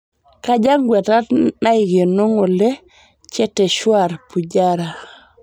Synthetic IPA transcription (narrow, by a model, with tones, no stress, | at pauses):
ka˦ɟa˦ŋɡwɛ˨ta˦tna˦iɡe˨no˦ŋɔ˨lɛ˦ | t͡ʃɛ˦tɛ˨ʃwa˨ɾpu˨ɟaɾa˨